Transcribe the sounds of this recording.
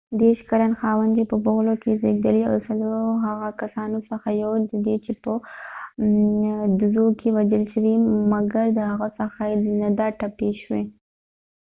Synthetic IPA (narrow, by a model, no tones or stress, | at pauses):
d̪eʃkaɾanxɑwand̪ipəboɣlokezeɡd̪əlia̰wsaloɦaɣakasɑnosəxajawd̪əd̪et͡ʃepə | d̪ʊzokewad͡ʒəlʃwimaɡaɾd̪əhaɣasəxajd̪nad̪ɑʈːapeʃwe